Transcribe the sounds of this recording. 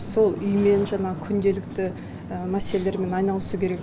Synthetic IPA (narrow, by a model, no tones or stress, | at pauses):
so̞lˠʏjme̞nʒɑɴɑəkʲʰʏnd̪e̞lɪkt̪ɪ | mæselele̞ɾme̞nɑjnɑlˠəsukʲʰe̞ɾek